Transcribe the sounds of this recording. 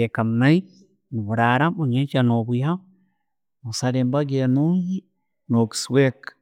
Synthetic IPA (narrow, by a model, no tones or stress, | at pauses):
ekamnaj | nuβuɾaɾamoɲet͡ʃanobuja | mosaɾembaɡenoŋɡi | noɡswek